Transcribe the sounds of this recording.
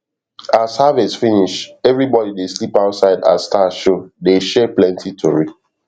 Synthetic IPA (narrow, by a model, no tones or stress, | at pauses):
azhavesfiniʃɛvɹibɔdideslipaʊtsaɪda̰stʰaʃodeʃɛplɛ̃ntʰitʰoɹi